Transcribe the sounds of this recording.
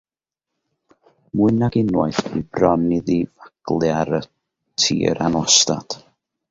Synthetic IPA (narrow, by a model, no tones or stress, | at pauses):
muɨnaɡɪnwɔɨθib̥rɔnɪðivaɡ̥lˠjaɾə | tʰḭːəɾanwɔsta̰d̥